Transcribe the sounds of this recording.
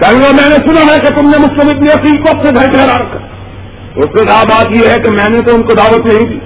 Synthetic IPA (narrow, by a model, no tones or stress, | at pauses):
kɛɦɡamɛ̃ːnesʊnaɦɛket̪ʊmnemʊslɪmɪkliɐpikɔːpseɡʱɐɾiʈʰɛɦɾaɾɐkʰːa | ʊskekaːbaːt̪jeɦɛkemɛ̃ːnet̪oʊnkod̪aːʋət̪nɐɦĩkiː